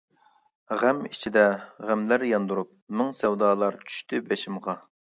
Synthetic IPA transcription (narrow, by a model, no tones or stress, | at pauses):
ʁæmit͡ʃʰid̪ɛʁæmlæɾjɑnd̪uɾup̚nɪŋsɛwd̪ɑːlˠɑɾt͡ʃʰy̥ʃt̪ɪbɛʃɪmʁɑ